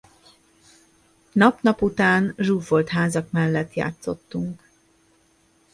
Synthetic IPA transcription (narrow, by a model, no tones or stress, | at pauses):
nɒpnɒput̪aːnʒuːfo̞lt̪ɦaːzɒkmɛlːɛt̪ja̰ːt̪so̞̰t̪ːuŋk